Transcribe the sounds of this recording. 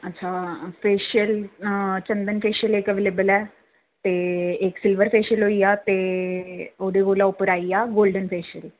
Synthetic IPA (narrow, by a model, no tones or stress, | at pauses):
ətːʃʰaːpʰeːʃəlt͡ʃə̃nd̪ənpʰeːʃəlekəʋeːleːbəlɛː | t̪eːɪksɪlʋəɾpʰeːʃəlɦoːiːaːt̪eː | oːd̪eːɡoːlãːʊpəɾaːiːaːɡoːlɖənpʰeːʃəl